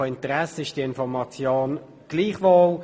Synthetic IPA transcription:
oɪntəʁɛsəɪʃd̥iəɪnfɔʁmɑt͡sjoːn | ɡ̥liːχvol

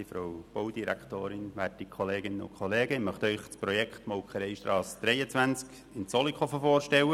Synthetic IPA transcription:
ifɾowb̥owdiɾæ̰kt̪oːɾɪnʋæːtikʰχoleːɡɪnəʊ̰kχɔleːɡ̥əmœχt̪œʏχsprɔjɛkχt̪mɔwkʰəɾɛɪʃtɾɑːsd̥̪ɾɛjət͡sʋænt͡sk | ɪnt͡sɔlikʰɔfəfoːɾʃtɛwə

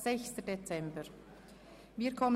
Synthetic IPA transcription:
z̥ɛçstədet͡sɛmbəɹ | viːɐkʰɔmə

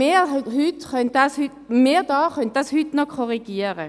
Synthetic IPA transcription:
eːhytχœntdɑshytmeːdɑːχœnt̪̚d̥ɑshytnɔkʰɔʁiɡ̥iːəʁə

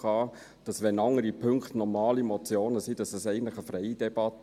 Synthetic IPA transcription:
ɑː | d̥ɑsʋɛnɑŋːəɾipʰɵŋkχtnɔɾmɑːlimɔt͡sjoːnəsid̥ɑsəsɛɪɡən̩tləχəfɾɛɪd̥ɛb̥ɑt̪

